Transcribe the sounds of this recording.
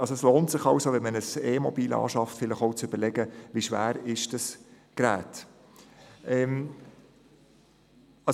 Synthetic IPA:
ɑlsoɛsloːntsɪχɑwsoʋɛnmənəseːmɔbiːlɑ̰ːʃɑftfɪləχoʊt͡søb̥əɾlɛɡəʋiʃʋæ̰ːɾɪʃd̥ɑs | ɡ̥ɾæːt | ɛm | ɑ

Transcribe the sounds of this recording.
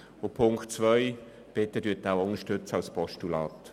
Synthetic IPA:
ʊpʰʊŋktt͡svœɪ | b̥ɪtədyːtːaʊʊnəʃtøt͡səɑlspʰɔʃtulɑ̰ːt

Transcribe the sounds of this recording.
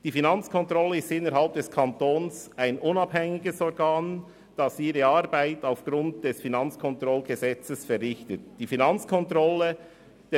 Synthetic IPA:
d̥iːfinɑnt͡skʰɔntɾɔlːəɪstɪnːəɾɦɑlp̚d̥ɛskʰɑntoːnsaɪnʊnɑbhɛŋɪɡəsɔɾɡaːn | d̥ɑsiːɾəɑːɾbaɪtaʊfɡ̥ɾʊntd̥ɛsfinɑnt͡skʰɔntɾɔlɡ̥əzɛt͡səsfɛɾrɪçtət̚d̥iːfinɑnt͡skʰɔntɾɔlːə | d̥

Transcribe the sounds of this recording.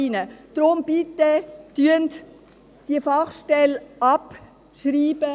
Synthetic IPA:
inəd̪̥ɾʊmb̥itːetyənt | d̥iəfɑχʃtɛlɑp | ʃriːb̥ə

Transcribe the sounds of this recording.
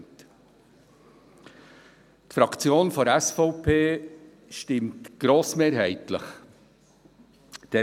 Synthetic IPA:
t | tfɾɑkt͡sjoːnfɔɾɛsfɔʊpʰeː | ʃtɪmtɡ̥ɾoːsmeːɾɦɛɪtlə̰χ | d̥ɛ

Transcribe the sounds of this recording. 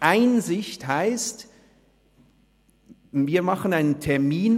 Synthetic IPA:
ʔaɪnzɪçthaɪst | viːɐmɑχənaɪnəntʰɛɐmiːn

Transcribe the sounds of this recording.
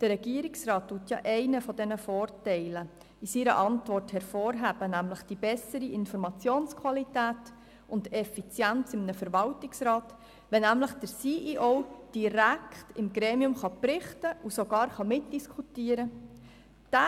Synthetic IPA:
d̥ərːɛɡ̥iəɾɪksrɑːttːuətjɑ̰ːʔɛɪnəfɔdɛnəfoːrtɛɪlə | isiɾə̰ʔɑntʋɔrthɛɾfoːɾɦæːb̥ənæmləχd̥ibɛsəɾiʔɪnfɔɾmɑt͡sjoːnskʰwɑlitæːt | ʊndɛfit͡sjænt͡sɪmnəfəɾʋɑltɪksɾɑːt | ʋɛnæmləχd̥əɾsiːʔiʔɔwd̥iɾæktɪmɡɾeːmiʊmχɑprɪχtəʔusoɡɑːɾχɑmɪt̚d̥iskʰutiːəɾə | d̥æ

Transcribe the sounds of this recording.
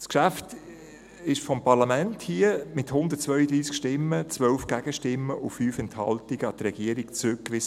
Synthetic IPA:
skʃæft | ɪʃfɔmpɑʁlɑmɛnthiəmɪthʊnd̪ət̚t͡sʋœʏəd̪ɾiːskʃtɪmːət͡sʋœlfɡ̥æɡ̥əʃtɪmːəʔufyːfɛnthɑ̰ltiɡəɑt̪ɾɛɡiəɾikt͡sɾʏkːʋɪs

